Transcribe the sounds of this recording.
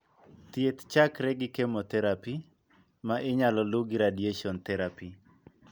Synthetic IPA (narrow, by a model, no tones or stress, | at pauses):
t̪jet̪t͡ʃakɾɛɡɪkemot̪ɛɾapi | maʔɪɲalɔlʊɡiɾadieʃɔnt̪ɛɾapi